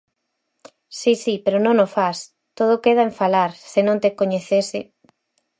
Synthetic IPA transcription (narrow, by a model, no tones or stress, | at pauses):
sisipeɾonõŋofas | t̪oð̞ʊkeð̞aeɱfalaɾsenõŋt̪ekoɲeθesɪ